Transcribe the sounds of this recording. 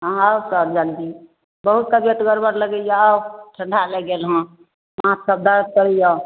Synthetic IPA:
ɦawsəɾd͡ʒand̪i | bəɦut̪̚kəbjət̪ɡəɾbəɾləɡəjawʈʰə̃ɳɖʱalɛɡelɦə̃ | məɦãsəb̚d̪aɾət̪̚kəɾəjã

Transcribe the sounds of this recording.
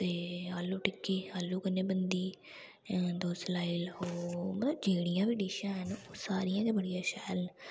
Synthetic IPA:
t̪eːaːlːuːʈɪkːeːaːlːuːkənẽːbənd̪iː | d̪oːslaːiloːmət̪ləbd͡ʒeːɽɪjãːʋiːɖiːʃãːɦənoːsaːɾɪjãːd͡ʒ̪eːbəɽijãːʃɛːln

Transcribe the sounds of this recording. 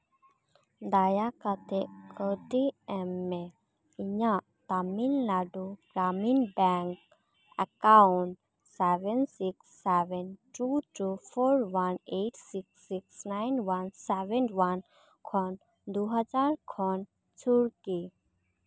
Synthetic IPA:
d̪ajakat̪ʰekəʈiɛmːe | iɲa | t̪aminlaɖuɡɾaminbɛŋk | ə̰kauɳʈ | sɛʋɛnsiksːɛʋɛnʈuʈufʰoɾʋaneʈsiksiksnainʋansɛʋɛnʋan | kʰɔn | d̪uɦad͡zaɾkʰɔn | t͡sʰuɽki

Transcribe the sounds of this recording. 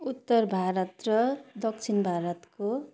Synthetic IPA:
ut̪ːʌrbʱaɾʌt̪rʌd̪ʌkt͡sʰinbʱaɾʌt̪ko

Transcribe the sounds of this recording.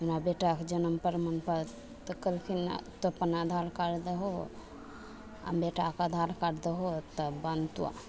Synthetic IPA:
inabeʈakd͡ʒənəmpəɾmənpəɾ | t̪əkːəlkʰint̪əpənad̪ʱalkəɾd̪əɦo | a̰mbeʈakad̪ʱalkəɾd̪əɦot̪əbɐnt̪uwa̰

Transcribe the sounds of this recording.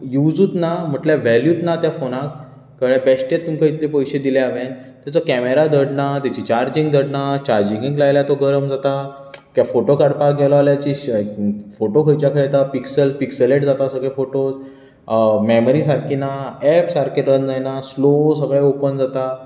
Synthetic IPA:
jud͡zuːt̪nam̤əʈljaʋɛljuːt̪nat̪jafonak̚ː | əɭẽbɛsʈjet̪ːumkait̪lepɔjɕed̪ileaʋent̪jat͡sɔkɛmeɾad̪əɽnat̪jat͡ɕit͡ɕaɾd͡ʑĩŋɡd̪əɽnat͡ɕaɾd͡ʑĩŋɡĩŋklajljat̪oɡəɾəmd͡zat̪a | kjafoʈokaɽpak̚ɡɛlɔaljat͡ɕi | foʈokʰəjt͡ɕjakʰajt̪apiksəlspiksəleʈd͡zat̪asəɡɭefoʈos | mɛməɾisaɾkinaɛpsaɾkeʈɾənd͡zajnaslosəɡɭaeopənd͡zat̪a

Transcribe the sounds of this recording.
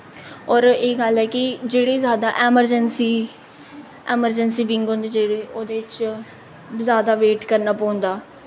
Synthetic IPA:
ɔːɾeːɡəlɦɛːkɪd͡ʒeːɽeːzjaːd̪aːʔɛːməɾd͡ʒənsiː | ɛːməɾd͡ʒənsiːʋɪ̃ŋɡɦõnd̪eːd͡ʒeːɽeːoːd̪eːɪt͡ʃ | zjaːd̪aːʋeːʈkəɾnaːpõːnd̪aː

